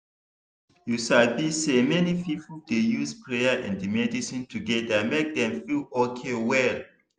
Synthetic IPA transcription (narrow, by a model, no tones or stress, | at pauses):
juʃalbisemɛnipipldejuspʰɹejaʔɛ̰̃ndimɛdisĩntʰuɡɛdamek̚dɛ̃mfilɔkʰewɛl